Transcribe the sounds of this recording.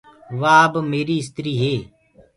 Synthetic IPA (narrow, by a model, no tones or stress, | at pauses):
ʋaːbmeːɾiːɪst̪ɾiːɦeː